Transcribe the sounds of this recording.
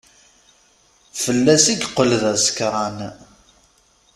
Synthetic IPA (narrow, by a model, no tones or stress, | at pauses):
fəlːæsiɡqːəlðæskɾˤɑn